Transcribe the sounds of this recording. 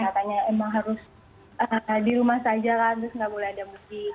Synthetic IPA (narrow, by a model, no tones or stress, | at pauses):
kat̪aɲaemaŋɦaɾʊs | ʔədiɾumahsad͡ʒakant̪ɾʊsŋɡabolɛadamuɡi